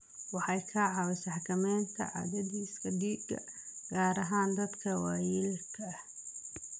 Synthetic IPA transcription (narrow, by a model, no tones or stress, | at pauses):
wɑħɑjkʰɐʕɑwɐsɑħkʰɐmɛːnt̪ʰɐ̰ʕɑ̰ðɐðiːskʰɐdiːd̪ɡʰɐ̰ | ɡ̥aːɾɐɦaːnd̪ɐd̪kʰɐwɑːjɪlkʰɐ